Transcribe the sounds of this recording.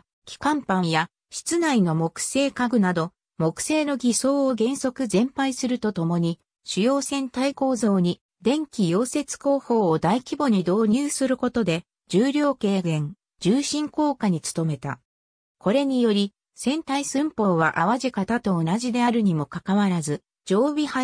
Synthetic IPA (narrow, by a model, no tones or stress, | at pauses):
kʲi̥kãmpãɰja | ɕi̥t͡sɨnaino̞mo̞kɯ̟̥se̞ːkaɡɯ̟nad̪o̞ | mo̞kɯ̟̥se̞ːno̞ɡʲiso̞ːoɡẽ̞ɰ̃so̞kɯ̟zẽ̞mpaisɨɾɯ̟t̪o̞t̪o̞mo̞ɲ̟i | ɕɨjo̞ːsẽ̞nt̪aiko̞ːzo̞ːɲ̟i | d̪ẽ̞ŋkʲijo̞ːse̞t͡sɨ̥ko̞ːho̞ːd̪aikʲibo̞ɲ̟id̪o̞ːɲ̟ɯːsɨɾɯ̟ko̞t̪o̞d̪e̞ | d͡ʑɨːɾʲo̞ːke̞ːɡẽ̞ŋ | d͡ʑɨːɕĩŋko̞ːkaɲ̟it͡sɨ̥t̪o̞me̞t̪a̰ | ko̞ɾe̞ɲ̟ijo̞ɾʲi | sẽ̞nt̪aisɨ̃mpo̞ːβaʔaβaʑikat̪at̪o̞ːnaʑid̪e̞aɾɯ̟ɲ̟imo̞kakaβaɾazɨ | d͡ʑo̞ːbʲiha